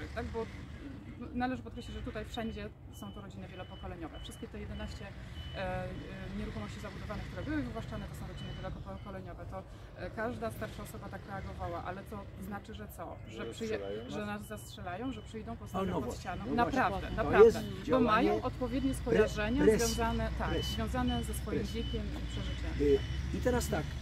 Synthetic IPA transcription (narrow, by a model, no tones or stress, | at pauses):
ɨxt̪aɡbɔ | nalɛʐɘpɔt̪̚kɾɛɕlʲit͡ɕʐɛt̪ut̪ajfʂɛɲd͡ʑɛ | sɔ̃w̃t̪ɔɾɔd͡ʑinɨvʲjɛlɔpɔkɔlɛɲɔvɛfʂɨst̪̚kʲɛt̪ɛjɛd̪ɛnaɕt͡ɕɛ | ɲɛɾuxɔmɔɕt͡ɕizabud̪ɔvanɛkt̪uɾɛbɘwɘzbwaʂt͡ʂanɛt̪ɔsɔ̃w̃ɾɔd͡ʑinɨvʲjɛlɔkɔpɔkɔlɛɲɔvɛt̪ɔ | kaʐd̪ast̪aɾʂaɔsɔbat̪akɾɛaɡɔvawaʔa̰lɛt̪ɔ | znat͡ʂɘʐɛt̪sɔʐɛpʂɛjɛʐɛnazːastʂɛlajɔ̃w̃ʐɛpʂɛjd̪ɔ̃w̃pɔst̪ɔt͡ɕanɔ̃mnapɾavd̪ɛ̰napɾavɛbɔmmajɔ̃w̃ʔɔt̪pɔvʲjɛd̪ɲɛskɔjaʐɛɲazvjɔ̃zanɛt̪akzvjɔ̃w̃zanɛzɛsfɔjimd͡ʑʲjekʲɛmipʂɛʐɘt͡ɕɛmit̪ɛɾast̪ak